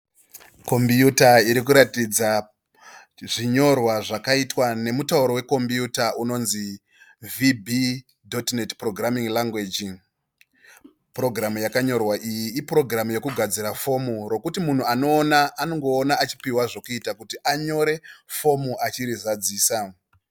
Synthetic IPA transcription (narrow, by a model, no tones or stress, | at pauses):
ko̞mbjutaiɾik̬uɾatid͡za | ʐiɲo̞rwaʐakaitwane̞mutauɾo̞we̞ko̞mbjutauno̞nzi | vibʱi | do̞tnetpro̞ɡramiŋlaŋɡwed͡ʒiŋ | pro̞ɡramujakaɲo̞rwaʔijiːpro̞ɡramuje̞kuɡʱad͡ziɾafo̞muro̞kutimun̤uano̞ːnaʔːnoŋɡo̞ːnaːt͡ʃi̥piwaʐo̞kuitakutiʔaɲo̞ɾe̞fo̞muʔat͡ʃiɾizad͡ziːsa